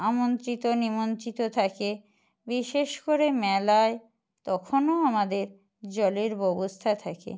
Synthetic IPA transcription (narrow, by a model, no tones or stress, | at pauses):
amont̪ɾit̪onimont̪ɾit̪ot̪ʰake | biʃeʃkoɾemɛlae | t̪ɔkʰonoamad̪eɾ | d͡ʑɔleɾbɔbost̪ʰat̪ʰakḛ